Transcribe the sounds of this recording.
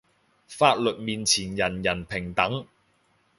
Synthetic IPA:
faː˧t̚lɵ˨t̚miː˨nt͡sʰiː˨˩njɐ˨˩njɐ˨˩npʰɪ˨˩ŋt̪ɐ˨˥ŋ

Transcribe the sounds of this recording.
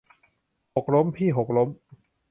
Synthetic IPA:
ho˨˩k̚ɾo˦˥mpʰiː˥˩ɦo˨˩k̚ɾo˦˥m

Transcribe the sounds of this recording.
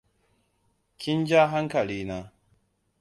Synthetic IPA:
kʰʲɪ˦nd͡ʒaː˦ɦa˦ŋkɐ˨liː˦na˦

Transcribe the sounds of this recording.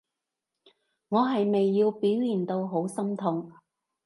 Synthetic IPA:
ŋɔː˨˧ɦɐ˨jme˨jːiː˧wpiː˨˥wjiː˨˩nt̪o˧wɦo˨˥wsɐ˥mt̪ʰʊ˨˧ŋ

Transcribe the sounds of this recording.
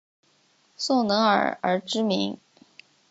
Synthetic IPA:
so˥˩ʊnɤ˧˥ŋə̰˞˨˩ə̰˧˥ʈ͡ʂɻ̩˥mḭ˧˥ŋ

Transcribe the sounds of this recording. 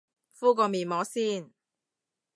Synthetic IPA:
fuː˥k̬ɔː˧miː˨˩nmɔː˨˥siː˥˩n

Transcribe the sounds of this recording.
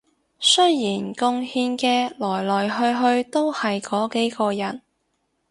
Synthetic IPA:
sɵ˥jjiː˨˩nkʊ˧ŋhiː˧nkɛː˧lɔː˨˩jlɔː˨jɦɵ˧ɥɦɵ˧ɥt̪o˥whɐ˨jkɔː˨˥ke˨˥jkɔː˧jɐ˨˩n

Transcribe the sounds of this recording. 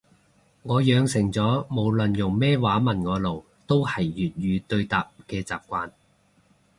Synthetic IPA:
ŋɔː˨˧jœː˨˧ŋsɪ˨˩ŋt͡sɔː˨˥mo˨˧wlə˨njʊ˨˩ŋmɛː˥waː˨˥mɐ˨˩nŋɔː˨˧lo˨˩w | t̪o˥whɐ˨˩jːyː˨t̚jyː˨˧t̪ɵ˧ɥt̪aː˨p̚kɛː˧t͡sa̰ː˨p̚kʷaː˧n

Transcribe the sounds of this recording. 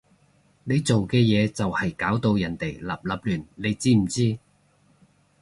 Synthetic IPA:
ne˨˧jt͡so˨wkɛː˧jɛː˨˧t͡sɐ˨whɐ˨jkaː˨˥wt̪o˧wjɐ˨˩nt̪e˨˩jlɐ̰˨p̚lɐ˨p̚lyː˨˩nne˨˧jt͡siː˥m̩˨˩t͡siː˥

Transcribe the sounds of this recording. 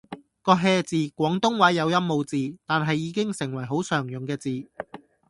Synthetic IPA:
kɔː˧ɦɛː˧t͡siː˨kʷɔː˨˥ŋt̪ʊ˥ŋwɐ˨˥jːɐ˨˧wjɐ˥mmo˨˧wt͡siː˨t̪aː˨nɦɐ˨jːiː˨˧˥kɪ˥ŋsɪ˨˩ŋwɐ˨˩jɦo˨˥wsœː˨˩ŋjʊ˨˩ŋkɛː˧t͡siː˨

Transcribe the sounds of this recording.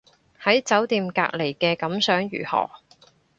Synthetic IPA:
hɐ˨˥jt͡sɐ˨˥wt̪iː˨˧mka̰ː˧k̚le˨˩jkɛː˧kɐ˨˥msœː˨˥ŋɥy̰ː˨˩hɔ̰ː˨˩

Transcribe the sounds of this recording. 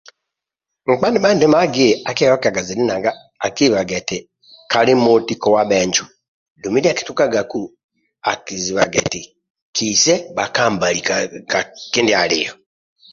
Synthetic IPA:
ŋ͡m̩˨k͡pa˦ndi˦ba˦nde˦ma˦ɡe˦˨a˨kɛ˦jɔ˦ka˨ɡa˨zi˨li˦na˨ŋɡaː˦˨ | ki˦˨βa˨ɡɛ˨te˨ | ka˨li˦mo˦ti˦kɔ˦wa˦βɛ˦ɲd͡ʒu˨ | du˨mi˦da˦ki̥˦tu˦ka˦ɡa˨ku˦ | a̰˨ki˨zi˨βa̰˨ɡɛ̰˨ti˨ | kʰisɛ˦ba˨kaː˦mba˨li | ke˦ndi˦a˨lɪ̰jɔ˨

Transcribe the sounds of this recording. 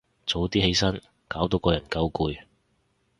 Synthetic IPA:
t͡so˨˥wt̪iː˥he˨˥jsɐ˥n | kaː˨˥wt̪o˧wkɔː˧jɐ˨˩nkɐ˧˥wkuː˨˧j

